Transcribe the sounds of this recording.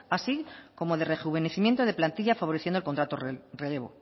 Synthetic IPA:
asiko̞moðe̞re̞xuβe̞neθimjent̪oðe̞plant̪iʎafaβo̞ɾeθjendolkont̪ɾat̪orele̞β̞o̰

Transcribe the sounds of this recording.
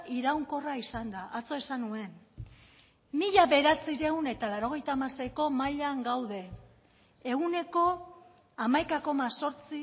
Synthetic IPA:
iɾawŋko̞raisand̪aʔat͡so̞e̞sanue̞n | miʎaβe̞ɾat͡siɾe̞une̞t̪alaɾo̞ɣ̞e̞jt̪aːmase̞jko̞maʎaŋɡawðe̞ː | ɣune̞ko̞ | amajkako̞maso̞ɾt͡si

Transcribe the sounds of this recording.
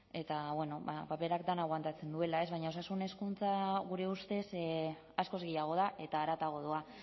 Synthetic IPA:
e̞t̪aβwe̞no̞βa̰pape̞ɾak̚d̪anaɣwant̪at͡se̞nd̪ue̞lae̞zβajɲaosasune̞skunt͡saɣuɾe̞ust̪e̞s | asko̞zɣejaɣ̞o̞ð̞aʔe̞t̪aːɾat̪aɣ̞o̞ðua

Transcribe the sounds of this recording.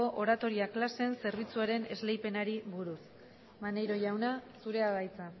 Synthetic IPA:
oʔoɾat̪o̞ɾiaklase̞nse̞ɾβ̞it͡suaɾe̞ne̞zle̞jpe̞naɾiβuɾus | mane̞jɾo̞ʝawnasuɾe̞aɣajt͡sa

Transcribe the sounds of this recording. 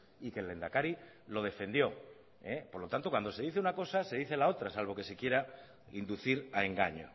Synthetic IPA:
ikele̞nd̪akaɾi | lo̞ð̞e̞fe̞nd̪jo̞ | epoɾlo̞t̪ant̪okwand̪ose̞ðiθeunako̞sase̞ðiθe̞lao̞t̪ɾasalβ̞o̞ke̞sekje̞ɾa | ind̪uθiɾae̞ŋɡa̰ɲo̰

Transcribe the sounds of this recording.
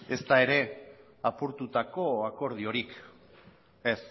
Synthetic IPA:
e̞st̪ae̞ɾe̞ | apuɾt̪ut̪ako̞ako̞ɾð̞io̞ɾik | es

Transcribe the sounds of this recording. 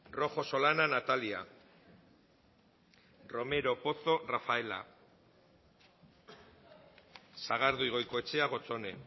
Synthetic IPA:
ro̞xo̞so̞lananat̪alia̰ | ro̞me̞ɾo̞po̞θo̞rafae̞la̰ | saɣ̞aɾðujɣ̞o̞jko̞e̞t͡ʃe̞aɣ̞o̞t͡so̞ne̞

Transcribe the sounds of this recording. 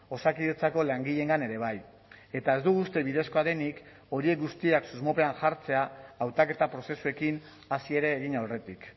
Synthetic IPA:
o̞sakiet͡sako̞laŋɡiʎe̞ŋɡane̞ɾe̞β̞aj | e̞t̪ae̞zd̪uɣuːst̪e̞βiðe̞sko̞aðe̞nik | o̞ɾie̞k̚ɡust̪iaksuzmo̞pe̞anʝaɾt͡se̞aːwt̪ake̞t̪apɾo̞se̞sue̞kin | asie̞ɾe̞ːɣ̞inawre̞t̪ik

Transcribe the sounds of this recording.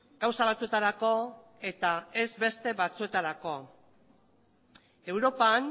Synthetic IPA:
ɡ̥awsaβat͡sue̞t̪aɾako̞ | e̞t̪ae̞zbe̞st̪e̞βat͡sue̞t̪aɾako̞ | e̞wɾo̞pan

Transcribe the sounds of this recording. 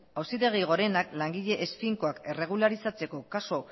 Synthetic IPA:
awsit̪e̞ɣ̞iɣ̞o̞ɾe̞naklaŋɡiʎe̞ʔːsfiŋko̞ake̞re̞ɣ̞ulaɾisat͡se̞ko̞kaso̞

